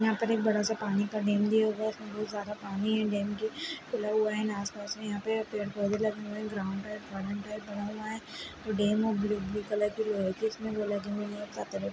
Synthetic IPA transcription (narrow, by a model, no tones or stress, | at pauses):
jɐɦãpɐɾeːk̚bɐɽasapaːnikaɖeːmd̪iɦoːɡaɪsmẽbɔːt̪zjaːd̪apaːniɦɛ̃ɖeːmkikʰʊlaɦʊaɦɛnaːspaːsmẽjɐɦãpɐɾpeːɽpoːd̪elɐɡeɦuɛ̃ɡɾaːʊ̃ɳɖaɪʈʋaːɾə̃ɳʈaɪʈ̚bɐnaɦʊaɦɛ̃ːoːɖeːmɦobliblikəlakiloːɦekiɪsmẽʋolɐɡeɦuesaːt̪eɾe